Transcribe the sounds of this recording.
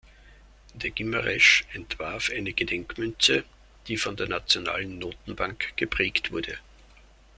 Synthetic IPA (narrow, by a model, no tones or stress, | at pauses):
d̥eːɐɡ̥ɪmɐʁɛʃɛntv̥aɐfʔaɪnəɡ̥ədɛŋkmʏnt͡sə | d̥iːfɔndeːɐnat͡sjona̰ːlən̩ːoːtn̩b̥aŋkɡ̥əpʁ̥ɛːktv̥ʊɐdə